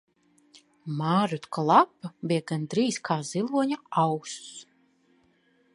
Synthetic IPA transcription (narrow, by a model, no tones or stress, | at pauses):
maːɾut̪klˠapːabijɛɡand̪ɾiːskʰaːzilˠuɔɲaawkss